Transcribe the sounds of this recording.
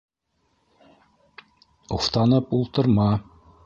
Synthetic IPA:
oft̪ɑnɤpulˠt̪ɤ̆ɾmɑ

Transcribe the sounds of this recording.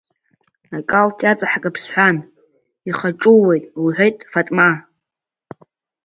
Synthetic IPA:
akʼaltʰjat͡sʼaħkʼapʰsħʷan | iχaʈ͡ʂʼuwejtʼwiħʷejtʼfatʼma

